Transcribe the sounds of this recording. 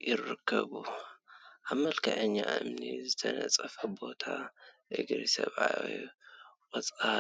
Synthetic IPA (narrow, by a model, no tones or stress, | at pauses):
jɪrːɨkʰːɐβu | ʔaβmɐlkʰɐʕɐɲːaʔɨmnizɨt̪ʰɐnɐt͡sʼɐfɐbo̞t̪ʰaʔɨɡɾisɐβajojwɔt͡sʼa